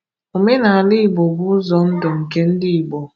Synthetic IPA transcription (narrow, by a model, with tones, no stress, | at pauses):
o˨me˦na˨a˨lɪ˦i˨bo˨ɡʊ˦ʊ˦zɔ˨n̩˦dɔ˨ŋ̩˨ke˦n̩˦dɪ˦i˨bɔ˨